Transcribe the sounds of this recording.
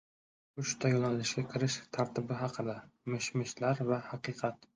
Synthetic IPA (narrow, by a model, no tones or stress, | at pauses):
ʊʃt̪ʰajɒnalɪʃɡʲakʲʰɪɾɪʃt̪ʰaɾt̪ʰɪbɪɦɑqʰɨd̪amɪʃmɪʃlaɾvahɑqʰɨqʰɑt̪